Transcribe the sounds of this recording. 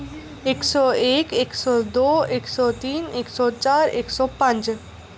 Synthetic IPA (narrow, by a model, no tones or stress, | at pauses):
eksɔekeksɔd̪oeksɔt̪ineksɔt͡ɕaɾḛksɔpãnt͡ʃ